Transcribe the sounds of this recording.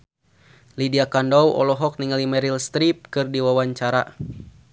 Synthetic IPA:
lidiakandɔwʔɔ̰lɔɦɔk̚niŋalimɛɾilst̪ɾip̚kɨrdiwawaɲt͡ʃaɾa̰

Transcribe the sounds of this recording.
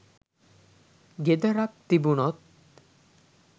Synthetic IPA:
ɡed̪aɾak̚t̪ibunɔt̪̚

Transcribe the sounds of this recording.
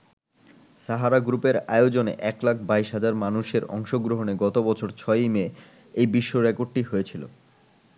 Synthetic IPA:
ʃaɦaɾaɡɾupeɾaod͡ʑonḛʔɛklakʰbaiʃɦad͡ʑaɾmanuʃeɾɔ̰ŋʃoɡɾoɦoneɡɔt̪obɔt͡ɕʰoɾt͡ɕʰɔeme | ejbiʃːoɾekoɖ̚ʈiɦoet͡ɕʰilo̰

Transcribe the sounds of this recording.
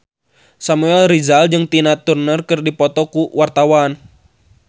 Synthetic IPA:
samuɛlrizald͡ʒɨŋt̪inat̪urnərkɨrdipɔt̪ɔkuwart̪awan

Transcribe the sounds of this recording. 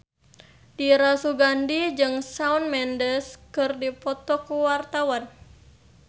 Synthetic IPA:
diɾasuɡandid͡ʒɨŋsaunmɛndəskɨrdipɔt̪ɔkuwart̪awan

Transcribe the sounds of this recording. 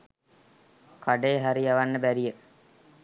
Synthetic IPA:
kʰaɖeːɦaɾiaʋanːəbæɾijə

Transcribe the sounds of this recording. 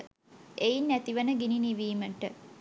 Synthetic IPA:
ejinːæt̪iʋənəɡininiʋiːməʈə

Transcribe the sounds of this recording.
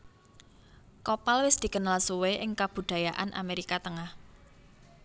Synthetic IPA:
kopalwɪsd̪̥i̤kənalsuweʔɪŋkab̥ṳd̪̥a̤jaʔa̰nʔa̰meɾikat̪əŋah

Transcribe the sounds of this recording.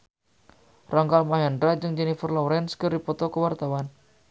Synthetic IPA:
raŋkalmaɦɛndɾad͡ʒɨŋd͡ʒɛnifərlɔwɾɛnskərdipɔt̪ɔkəwart̪awan

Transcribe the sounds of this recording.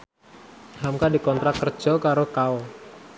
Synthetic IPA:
hamkadikɔnt̪ɾakːərd͡ʒɔkaɾokaɔ

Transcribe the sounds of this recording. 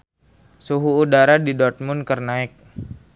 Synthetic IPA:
suɦuːdaɾadidɔrt̪̚mʊnkərnaɪk̚

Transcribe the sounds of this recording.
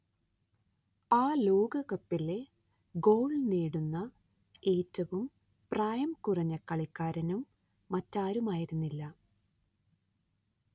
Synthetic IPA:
aːlo̞ːɡɐkɐpːile̞ | ɡo̞ːɭneːɽunːɐ | e̞ːtːɐʋum | praːjɐmkurɐɲːɐkɐɭikːaːɾɐnumː | ɐtːaːɾumaːjiɾunːilːɐ

